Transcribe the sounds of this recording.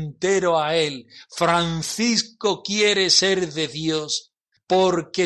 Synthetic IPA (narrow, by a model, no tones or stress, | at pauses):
nt̪e̞ɾoae̞lfɾanθisko̞kje̞ɾe̞se̞ɾðe̞ðjo̞s | po̞ɾke